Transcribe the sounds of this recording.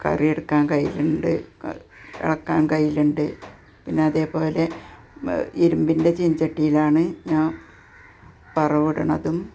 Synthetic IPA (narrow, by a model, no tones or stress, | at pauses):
kɐ̰rijeɽukːaːnkɐjːḭluɳɖɨ | ɐ̰ɭɐkːaːnkɐjːiluɳɖɨ | pinːe̞ɐðe̞ːpo̞ːle̞ | iɾumbinde̞t͡ɕiɲd͡ʑɐʈːijilaːɳɨɲaː | pɐrɐʋuɽɐɳɐðum